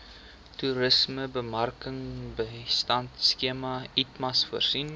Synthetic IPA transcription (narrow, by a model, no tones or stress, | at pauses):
tuɾəsməbəmɐrkəŋbəstɐntskiəmɐitmɐsfuərsin